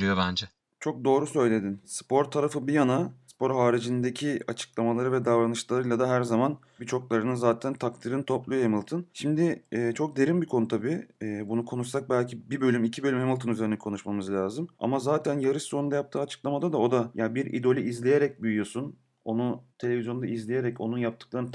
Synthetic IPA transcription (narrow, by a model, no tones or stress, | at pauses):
ɾyjobænd͡ʒɛ | t͡ʃʰo̞k̚d̪o̞ːɾusø̞jlʲe̞d̪inspo̞ɾt̪ʰaɾafɯbijanaspo̞ɾɦaːɾid͡ʒind̪ecʰiat͡ʃʰɯ̥klˠamalˠaɾɯvɛd̪avɾanɯʃlˠaɾɯjlˠad̪aɦæɾzaman | bit͡ʃʰo̞klˠaɾɯnɯnzaːt̪ʰænt̪ʰakt̪ʰiɾɯnt̪ʰo̞plˠujoemilˠt̪ʰɯnʃimd̪ɪːt͡ʃʰo̞k̚d̪e̞ɾimbikʰo̞nut̪ʰabiːbunukʰo̞nuʃsak̚bælʲcʰibibø̞lʲymicʰibølʲymhemilˠt̪ʰɯnyze̞ɾinɛkʰo̞nuʃmamɯzlʲaːzɯma̰mazaːt̪ʰænjaɾɯʃso̞ɾund̪ajap̚t̪ʰɯːat͡ʃʰɯ̥klˠamad̪ad̪ao̞d̪ajabiɾḭd̪o̞lʲiʔizlʲeje̞ɾɛc̚byjyjo̞sun | o̞nut̪ʰee̞vʲizʲjo̞nd̪aizlʲeje̞ɾɛco̞̰nunjap̚t̪ʰɯ̥klˠaɾɯn